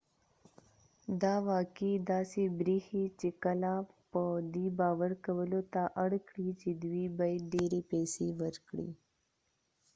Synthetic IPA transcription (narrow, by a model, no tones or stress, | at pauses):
d̪aːʋaːkid̪aːsibɾiːhit͡ʃikəlapəd̪iːbaːʋəɾkəwəlot̪aʔɐɽkɽiːt͡ʃid̪wiːbəjɖeːɾiːpeːsiʋəɾkɽḭː